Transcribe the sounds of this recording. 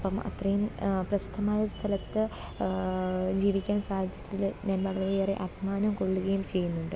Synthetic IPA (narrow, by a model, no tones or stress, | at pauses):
pːɐmɐ̰t̪rɐjumprɐsid̪ʱːɐmaːjɐst̪ʰɐlɐt̪ːɨ | d͡ʑiːʋikʲːaːnsaːjd̪ʱjɐtːilɲɐnmaːɽɐɣɐlejeːrḛʔɐbʱimaːnɐmko̞ɭːuɣɐjumt͡ɕe̞jːunːuɳɖɨ